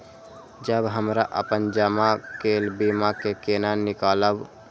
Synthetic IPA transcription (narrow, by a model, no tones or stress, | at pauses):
d͡ʒəbɦəmɾaʔə̰pənd͡ʒəmakeːlbimakekeːnanɪkaːləw